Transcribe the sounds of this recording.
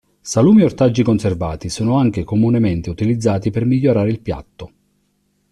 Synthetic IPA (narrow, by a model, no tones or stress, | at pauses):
saluːmiort̪ad͡ʒːikonserva̰ːt̪isuːnʊaŋk̟ekomunɛment̪ɪut̪ilid̪zːaːt̪ipermiʎːoɾaːɾeilpja̰t̪ːo